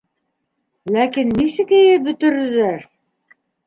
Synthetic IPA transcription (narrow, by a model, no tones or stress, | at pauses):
lækinːisɘ̆kɘ̆jɘbɵ̆t̪ɵ̆ɾɵ̆ðæɾ